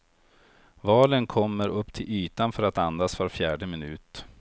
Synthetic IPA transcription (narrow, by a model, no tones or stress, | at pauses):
vɑːlənkʰɔmːəɾɵpːt̪ʰɪlyːt̪anfœɾat̪and̪asvaɾfjæːɖəmɪnʉ̟̰ːt̪